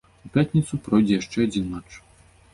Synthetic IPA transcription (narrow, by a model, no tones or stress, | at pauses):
upʲat̪ʲnʲit̪supɾɔjd͡zʲɛjaʂt͡ʂɛadd͡zʲinmat͡ʂ